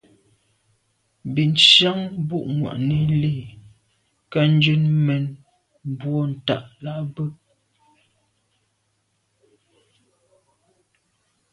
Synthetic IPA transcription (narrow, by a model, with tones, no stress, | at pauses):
bi˨n˨ʃja˦ŋbu˦ʔŋwa̰˨ʔni˦li˦˨ | ka˦n̩˦d͡ʒʉ˦nmɛ˨n | m˨bwɔ˦n̩˨ta̰˨ʔla˦bə˦